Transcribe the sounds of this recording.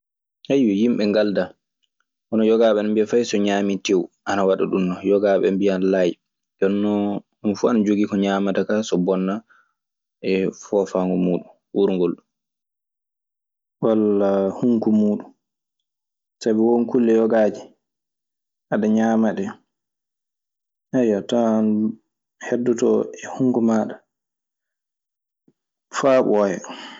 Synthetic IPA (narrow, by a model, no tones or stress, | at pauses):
hajwɛjimɓɛŋɡalda | ʔɔnɔjɔɡaɓɛnambijafajsɔɲaːmitewʔanawaɗa̰ɗunːɔjɔɡaːɓɛ̰mbijanlaj | jɔnːɔ | unfuanad͡ʒoɡikɔɲaːmatakasɔbɔnːa | ɛfɔfaŋɡɔmuːɗun | wuɾuŋɡolɗum | walːahuŋkumuːɗum | sabɛwonkulːɛjɔɡaːd͡ʒi | ʔaɗaɲamaɗɛ | ʔajːatan | hɛdːutɔ̰ɛhuŋkumaɗa | faːɓɔjɛ̰